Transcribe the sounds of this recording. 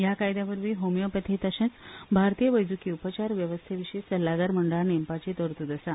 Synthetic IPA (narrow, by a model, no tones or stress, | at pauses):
jakajd̪jabəɾʋiːɦomjəpət̪ʰet̪aɕẽt͡sbʱaɾt̪ijəʋəjd͡zukiupət͡ɕaɾʋjəʋəst̪ʰeʋiɕesəlːaɡaɾməɳɖəɭanempat͡ɕet̪oɾt̪ud̪əsa